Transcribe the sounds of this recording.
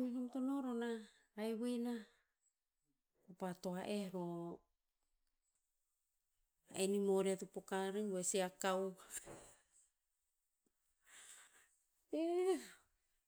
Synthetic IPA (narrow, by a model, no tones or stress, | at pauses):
minomt̪onoɾonaː | jwina | kupat̪oaʔeɾo | aenimoɾiat̪upokaɾeŋuesiakaw | e